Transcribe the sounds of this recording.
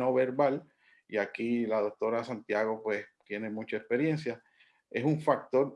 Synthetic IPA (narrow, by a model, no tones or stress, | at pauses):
oβe̞ɾβal | iakilaðo̞k̚t̪o̞ɾasant̪jaɣo̞pwe̞st̪jene̞mut͡ʃaekspe̞ɾje̞nsja | e̞suɱfak̚t̪o̞ɾ